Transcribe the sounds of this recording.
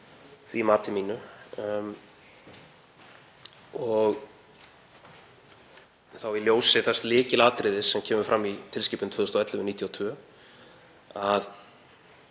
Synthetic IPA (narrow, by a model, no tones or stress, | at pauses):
θvimaːt̪ɪmiːnʏ | ɔɣ | θawiljoːwsɪθɛst̪lɪːcɪlaːt̪ɾɪːðɪsːɛmcʰɛːmʏɾfɾʔamːit̪ʰɪlsciːpʏnt̪ʰvœːðʏst̪ɔɛt̪lɪʏniːt̪ʰjawt̪ʰvœː | að